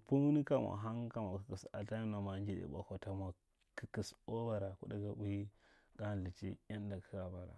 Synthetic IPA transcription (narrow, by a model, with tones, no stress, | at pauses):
pu˦m˦ni˦ka˦ma̰˨ɦa˦ŋka˨mʷa˨kə˨ki˨sa̰˨ta˦i˦na˨ma˨˦nd͡ʒi˦dḛ˨ba̰˨ko˨ta˨mʷa˨ | kə˦ki˨so˦ba˨ɾa˨ku˦da˦ɡa˦u˦ji˦ɡ̥a˦n˨li˨t͡ʃḭ˦ja˦n˦da˨kə˦ka˨ba˨ɾa̰˨